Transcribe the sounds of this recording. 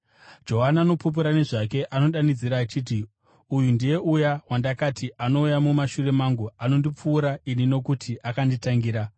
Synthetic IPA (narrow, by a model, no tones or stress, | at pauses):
d͡ʒo̞ɦanaːno̞pup̬uɾane̞ʐak̬e̞ʔano̞ɗanid͡ziɾaːt͡ʃiːti | ujundije̞ʔujawandakatʰiʔano̞ujamumaʃure̞maŋɡuano̞ndip͡fuːɾainino̞kutʰiʔakanditaŋɡiːɾa